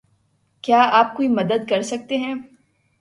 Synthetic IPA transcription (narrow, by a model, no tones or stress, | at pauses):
kjaːaːp̚koimɐd̪əd̪̚kɐɾsɐk̚t̪eɦɛ̃ː